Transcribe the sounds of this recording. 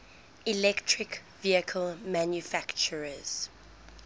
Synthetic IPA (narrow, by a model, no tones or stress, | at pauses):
ilɛktʰɹɪk | viəkʰəlmãnjufakt͡ʃəɹəz̥